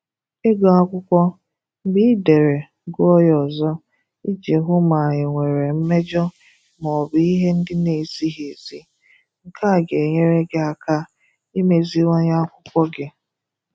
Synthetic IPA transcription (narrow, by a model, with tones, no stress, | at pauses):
e˦ɡɔ˨a˦kʷʊ˦kʷɔ˦ | m̩˦bi˦de˨ɾe˨ | ɡʊ˦ɔ˦jɔ˨zɔ˦ | i˦d͡ʒe˨ɦʊ˦ma˨ɲɪ˨ŋʷe˨ɾe˨m̩˦me˦d͡ʒɔ˦ | mɔ˨bi˦i˦ɦe˦n̩˦dɪ˦ne˨zi˦ɦe˨zi˦ | ŋ̩˨kʰa˦˨ɡe˨ɲe˦ɾe˦ɡɪ˦a˨ka˦ | i˦me˨zi˦wa˦ɲa˦kʷʊ˦kʷɔ˦ɡɪ˨